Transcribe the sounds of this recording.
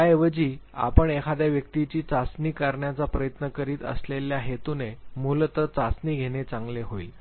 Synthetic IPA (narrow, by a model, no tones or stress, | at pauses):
aeʋəd͡ʑiːa̰pəɳekʰad̪jaʋjək̚t̪it͡ɕiːt͡sasniːkaɾɳjat͡sapɾəjət̪nəkəɾiːt̪ə̰sleljaɦet̪unemult̪əɾt͡sasniːɡʱeɽ̃et͡sãŋɡleɦoḭːl